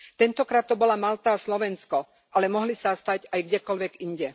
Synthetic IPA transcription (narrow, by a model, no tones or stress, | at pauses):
t̪ɛnt̪ɔkɾaːt̪ːɔbɔlamalt̪aːslɔʋɛnskɔ | ʔalɛmɔɦlisast̪aɟajɡɟɛkɔlʋɛɡiɲɟɛ